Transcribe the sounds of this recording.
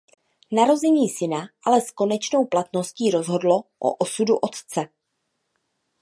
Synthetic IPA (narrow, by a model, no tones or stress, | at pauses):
naɾo̞zɛɲiːsɪnaʔalɛsko̞nɛt͡ʃno̞wplat̪no̞sciːɾo̞zɦo̞dlo̞ʔo̰ʔosuduʔo̞t̪t͡sɛ